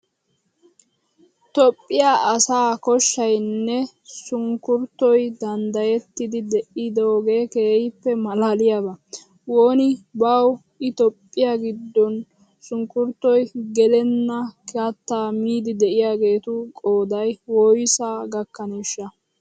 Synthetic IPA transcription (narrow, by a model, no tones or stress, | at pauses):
t̪ɔpʼːɪjaːʔɐsaːkɔʃːɐjnːɛ | sʊŋkːʊɾt̪ːɔjd̪ɐnd̪ɐjɛt̪ːɪd̪ɪd̪ɛʔɪd̪oːɡe̞ːkeːɪpːɛmɐlaːlɪjabɐ | woːnɪbɐw | ʔɪt̪ɔpʼːɪjaɡɪd̪ːɔn | sʊŋkʊɾt̪ːɔjɡɛlɛnːɐkat̪ːaːmiːd̪ɪd̪ɛʔɪjaːɡe̞ːt̪ʊkʼo̞ːd̪ɐjwoːjɪsaːɡɐkːɐniːʃːɐ